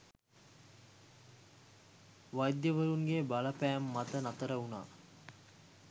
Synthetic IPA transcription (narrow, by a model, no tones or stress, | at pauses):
ʋajd̪jəʋəɾuŋɡebaləpæːmːat̪ənat̪əɾəuna̰ː